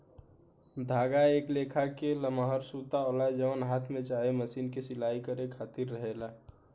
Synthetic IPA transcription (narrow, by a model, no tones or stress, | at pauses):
d̪ʱaːɡaeːkleːkʰakeləmɦəɾsut̪aoːlad͡ʒəʋənɦaːt̪ʰmẽt͡ʃaːɦeməsiːnkesɪlaːikəɾekʰaːt̪iɾːəɦela